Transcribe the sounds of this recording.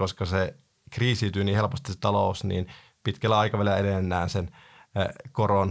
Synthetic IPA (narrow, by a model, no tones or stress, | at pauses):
oskɑse | kriːsiːt̪yːniːhelpost̪ise̥t̪ɑloˑusnḭːn | pit̪kælːæɑikɑʋælelæedenːæːnsen | koron